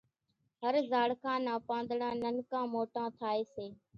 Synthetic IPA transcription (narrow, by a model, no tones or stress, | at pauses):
ɦəɾzaːɽkʰãːnãːpãːnd̪ɽãːnənkãːmoːʈãːt̪ʰaːeːseː